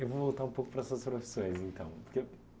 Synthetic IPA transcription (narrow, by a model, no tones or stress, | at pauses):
ewvovolˠt̪aɾũpokupɐɾɐɛsɐspɾɐfi̥sõj̃zẽnt̪ɐ̃w̃puɾke